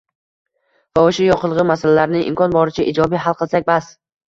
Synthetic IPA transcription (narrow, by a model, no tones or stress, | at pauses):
vaoʃʊjɒqʰɨlˠʁɨmasalalaɾnɪʔɪ̰mkʰɒnbɒɾɪt͡ʃʰaʔid͡ʒɒbijɦalˠqʰɨlˠsak̚ʲbas